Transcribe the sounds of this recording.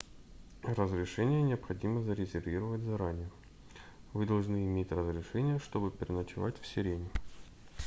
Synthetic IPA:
rəzɾʲɪʂɛnʲɪjənʲɪəpxɐdʲiməzəɾʲɪzʲɪrvʲiɾəvətʲzɐɾanʲɪjə | vɨd̪ɐlˠʐnɨɪmʲetʲrəzɾʲɪʂɛnʲɪjəʂt̪o̞bɨpʲɪɾʲɪnət͡ɕɪvatʲfsʲɪɾʲenʲɪ

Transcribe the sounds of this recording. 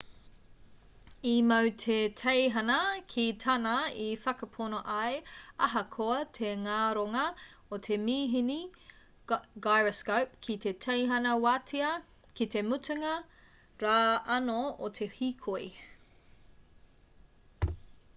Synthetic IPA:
imɐwtʰetʰejɦɐnɐkʰitʰɐnɐifɐkɐpʰonoʔɐjɐɦɐkʰoɐtʰeŋaːɾoŋɐot̪ʰemiːɦini | ɡajɹɐskowp̚kʰitetʰejɦɐnɐwaːtʰiɐ | kite̞mutuŋɐ | ɾaːɐnootʰe̞hikʰoi

